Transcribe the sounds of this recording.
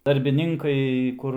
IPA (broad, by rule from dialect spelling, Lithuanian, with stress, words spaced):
dɐrʲbʲɪˈnʲɪŋkɐɪ ˈkʊr